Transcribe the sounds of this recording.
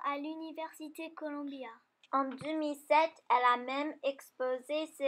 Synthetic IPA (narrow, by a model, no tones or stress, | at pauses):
alynivɛʁsit̪ekɔlɔ̃bja | ɑ̃d̪ømilsɛt̪ɛlamɛmɛkspozese